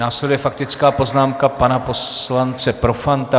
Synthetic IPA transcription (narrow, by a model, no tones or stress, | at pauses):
naːslɛdujɛfak̚t̪ɪt͡skaːpo̞znaːmkapanapo̞slant͡sɛpɾo̞fant̪a